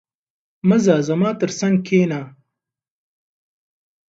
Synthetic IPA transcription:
mɐzaːzɐmaːt̪ɨɾsɐŋɡ̚kʰeːnaː

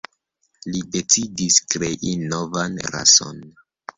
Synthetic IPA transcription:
lide̞t͡sidiskɾe̞ʔinovanɾa̰so̞̰n

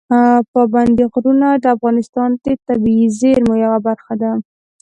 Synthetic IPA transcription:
pɑband̪iɣɾunad̪əafɣɑnɪst̪ɑnt̪et̪abiizeɾmojawabaɾxad̪a

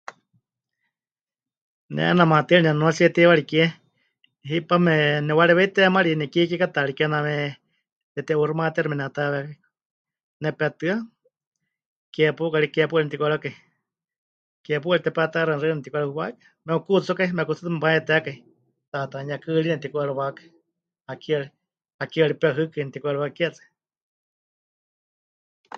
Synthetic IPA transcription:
nɛ̰ʔnamat̪iliɲanuasiɛt̪iwaɺikɛ | ɦipamɛnɛwalɛβɛit̪ɛmaɾinɛkikɛkat̪aɾikɛnamɛ | t̪ɛt̪ɛurumat̪iɛɾimɛnɛat̪aβɛkai | nɛpat̪ɨa | kɛpukaɾikɛp̬uainɛt̪ikʷaɾakai | kɛp̬uaɾit̪ɛpat̪aɾarɨnɛt̪ikʷɾauwakḁ | mɛukut͡st͡sukaimɛkut͡sɨt̪ɨmɛpaɛt̪ɛakai | t̪at̪aɲakɨlinɛt̪ikʷaɺuwakḁi | hakiɔɺi | hakiɔɺipɛɦɨkɨnɛt̪ikʷaɾwakɛt͡sḁ

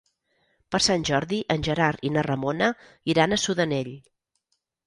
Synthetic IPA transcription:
pəɾsanʲʒɔɾðiʔənʲʒəɾaɾinərəmonə | iɾanəsuðəneʎ

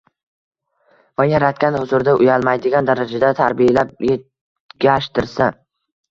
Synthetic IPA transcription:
vajaɾat̪kʲanhʊzʊɾd̪aʔʊjalˠmajd̪ɪɡʲand̪aɾad͡ʒad̪at̪ʰaɾbɪjalap̚je | ɡʲaʃt̪ɪɾsa

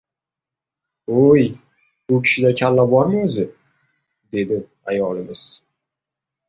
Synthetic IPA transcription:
oj | bʊkʲʰɪ̥ʃɪd̪akʲʰalːabɒɾmɪɵzɪ | d̪e̞d̪ɪ | ajɒlɪmɪz̥

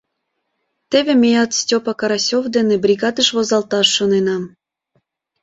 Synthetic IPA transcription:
t̪eβʲemʲejɑt̪stʲopɑkɑɾɑsʲovd̪enebrʲiɣɑd̪əʃβozɑlt̪ɑʃːonenɑm

